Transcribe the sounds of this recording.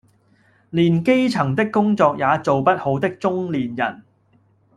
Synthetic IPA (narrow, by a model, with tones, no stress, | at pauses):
liː˨˩nke˥jt͡sʰɐ˨˩ŋt̪ɪ˥kːʊ˥ŋt͡sɔː˧k̚jaː˨˧t͡so˨wpɐ˥t̚ho˨˥wt̪ɪ˥k̚t͡sʊ˥ŋliː˨˩njɐ̰˨˩n